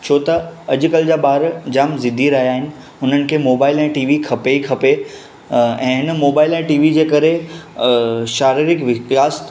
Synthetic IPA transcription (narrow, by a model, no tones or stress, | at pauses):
t͡ɕʰoːt̪ɐɐd͡ʑʊ̆kɐld͡ʑaːbaːɾd͡ʑaːmzɪd̪ʱiɾɐɦjaːɦɪnɪ̆ | ʊn̤ənɪ̆kʰeːmoːbaːɪlɛ̃ːʈiːʋikʰɐpeikʰɐpe | ɛ̃ːɦɪnəmoːbaːɪlɛ̃ːʈiːʋid͡ʑeːkɐɾe | ʃaːɾiɾɪkʋɪt̪aːs